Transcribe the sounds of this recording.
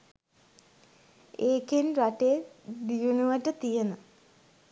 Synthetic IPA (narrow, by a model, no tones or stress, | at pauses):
eːkenɾaʈebijunuʋaʈət̪ijenə